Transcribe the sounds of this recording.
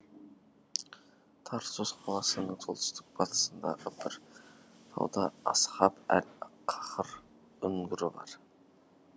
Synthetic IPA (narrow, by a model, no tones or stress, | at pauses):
t̪ʰɑɾsozqʰɑlˠɑsənəɴt̪ʰolˠt̪ə̥st̪ɪk̚bɑt̪ə̥sənd̪ɑ̰ʁəbɪɾt̪ʰɑ̰wd̪ɑɑshɑpæ̰lqʰɑ̥qəɾ | ʏŋɡʲɪɾɪbɑ̰ɾ